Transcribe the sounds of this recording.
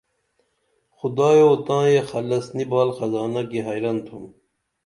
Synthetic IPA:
xud̪ɑːjoːt̪ɑ̃ːjexɐlɐsnibɑːlxɐzɑːnɐkiɦɐjɾɐnt̪ʰum

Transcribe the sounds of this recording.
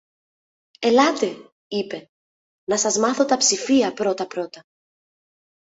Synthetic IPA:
e̞lɐt̪e̞ | ipe̞ | nɐsɐzmɐθo̞t̪ɐpsifiɐpɾo̞t̪ɐpɾo̞t̪ɐ

